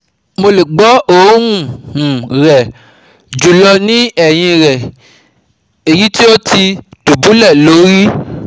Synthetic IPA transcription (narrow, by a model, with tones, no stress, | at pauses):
mo˧le˨ɡ͡bɔ˦o˦˨˦ɾũ˦˨hũ˨ɾɛ˨ | d͡ʒu˨lɔ˧nĩ˦ɛ˦˨j̃ĩ˧ɾɛ˨ | e˨ji˨˦ti˦o˦tʰi˧tu˨bũ˨˦lɛ˦˨lo˨˦ɾi˦